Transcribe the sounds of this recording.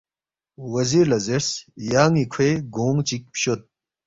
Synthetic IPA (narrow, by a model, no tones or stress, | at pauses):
wɐziɾlɐzeɾsjaːŋikʰweɡoːŋt͡ɕik̚pɕot̪̚